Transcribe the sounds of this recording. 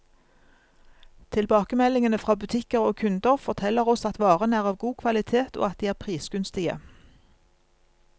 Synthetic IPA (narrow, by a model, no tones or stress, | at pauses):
t̪ʰɪlbɑːkəmɛlɪŋənəfʁɑːbʉt̪ʰɪkəʁoːkʰʉnd̪əʁfɔʁt̪ʰɛləʁɔsɑt̪ʋɑːʁənæːʁɑːʋɡuːkʰʋɑlɪt̪ʰeːt̪o̰ːɑt̪̚d̪iːæːʁpʰʁiːsɡ̥ʉnst̪ɪə̰